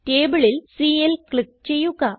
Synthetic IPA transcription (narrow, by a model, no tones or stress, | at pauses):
teːbɨɭilsiːelkɭik̚t͡ɕe̞jːuɣɐ